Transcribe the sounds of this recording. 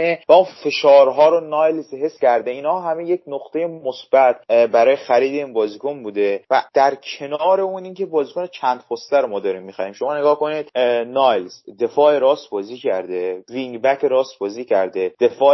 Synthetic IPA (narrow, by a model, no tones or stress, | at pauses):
evæunfe̞ʃɒːɾɦɒːɾonɒːjlzɦe̞sːcæɾd̪eiːnhɒːɦæme̞je̞cnoqt̪e̞jemosb̥æt̪ʰbæɾɒːjexæɾiːd̪e̞iːnbɒːziːkʰonbuːd̪e̞væd̪̥æɾcʰe̞nɒːɾe̞uniːŋce̞bɒːziːkʰonet͡ʃʰænd̪̚pʰost̪æɾomɒːd̪ɒːɾiːmːixæhiːmʃo̞mɒːneɡɒːhko̞nid̪̥nɒːjlzd̪e̞fɒːeɾɒːst̪bɒːziːcʰæɾd̪eviŋɡbækʰeɾɒːst̪bɒːziːcʰæɾd̪e̞d̪̥e̞fɒː